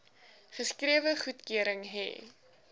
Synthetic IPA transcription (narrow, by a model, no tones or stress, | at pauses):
χəskriəvəχutkøəɾəŋɦɛ̰